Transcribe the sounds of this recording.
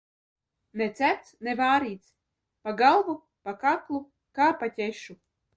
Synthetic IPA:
nɛt̪sæpt̪snɛvaːɾiːt̪s | paɡalˠvu | pakaklˠu | kaːpat̪ʲɛʃu

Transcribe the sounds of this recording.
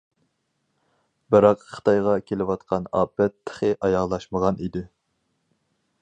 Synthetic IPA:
bɨɾɑqχə̥t̪ʰɑjʁɑkʲʰelɪwɑt̪qʰɑnɑːbɛt̪ʰːə̥χɨʔɑjɑʁlˠɑʃməʁɑnid̪ɪ

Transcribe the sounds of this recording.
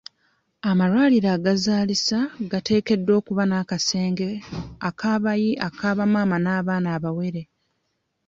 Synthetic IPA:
amaɾwaːliɾaːɡazaːlisaɡate̞ːke̞dːo̞ːkuβanakase̞ːŋɡe̞akʰaːβajiʔakaːβamaːmanaːβaːnaːβawe̞ɾe̞

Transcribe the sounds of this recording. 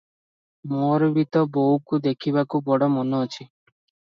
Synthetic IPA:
moɾbit̪ɔbowkud̪ekʰiβakubɔɽɔmonɔːt͡ʃʰi

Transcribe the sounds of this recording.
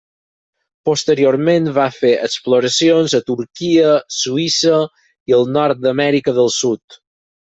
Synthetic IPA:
post̪əɾioɾmenβafeʔəksploɾəsionzət̪uɾkiəsuisə | iəlˠnɔɾt̪̚d̪əmɛɾikəðəlˠsut̪

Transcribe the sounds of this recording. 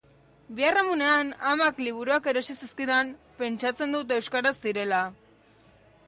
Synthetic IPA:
biaramune̞anamakliβ̞uɾuake̞ɾo̞sisiskiðam | pe̞nt͡ʃat͡se̞nd̪ut̪̬e̞wskaɾazd̪iɾe̞la

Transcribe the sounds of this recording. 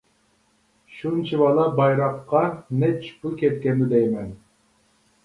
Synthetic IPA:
ʃunt͡ʃʰivɑlˠɑbɑjɾɑqːɑnɛt͡ʃpukʲɛt̪̚kʲɛnd̪ɪd̪ɛjmɛn

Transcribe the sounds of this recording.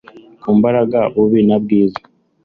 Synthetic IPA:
kuːmbaɾaɡaβuβinabɡiːza

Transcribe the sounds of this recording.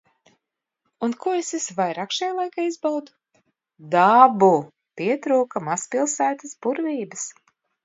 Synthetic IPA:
unkuesesvajɾaːkʃajalˠajkaːizbawd̪u̥ | d̪abu | pʲiɛt̪ɾuːkamaspilˠsæːt̪əsbuɾvʲiːbɨs

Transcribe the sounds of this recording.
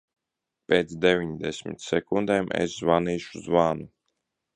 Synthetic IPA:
pʲeːt̪sd̪evʲiɲd̪ɛsʲmḭt̪sɛkund̪eːmɛ̰szvaniːʃuzvaːnu

